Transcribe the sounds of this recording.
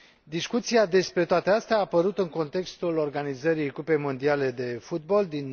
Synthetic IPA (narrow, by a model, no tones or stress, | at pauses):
d̪iskut̪siad̪e̞spɾe̞t̪oat̪east̪eaːpəɾut̪ɨŋko̞nt̪e̞kst̪ulo̞rɡanizəɾijkupe̞mo̞nd̪iale̞d̪e̞fut̪̚bo̞ld̪in